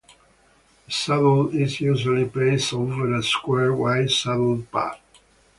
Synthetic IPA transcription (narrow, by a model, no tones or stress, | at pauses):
sadl̩ɪzjuʒəlipleɪstovəɾəskwɛɹwaɪsadl̩pa̰k